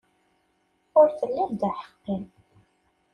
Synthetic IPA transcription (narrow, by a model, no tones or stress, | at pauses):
ʊɾθəlːæmd̪aħə̥qːim